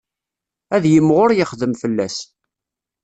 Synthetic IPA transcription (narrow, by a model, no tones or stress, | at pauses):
æðjəmːʁʊɾjəχðəmfəlːæs